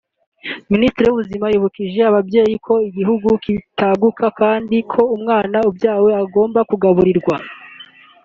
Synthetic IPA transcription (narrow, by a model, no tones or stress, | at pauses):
ministiɾeuβuzimajuβukiʒe̞aβabje̞ːjikʰo̞iɡiɦuɡukitʰaɡukʰakaːndikʰo̞umŋaːnaubjaːwe̞aɡo̞ːmbakuɡaβuɾiɾɡwa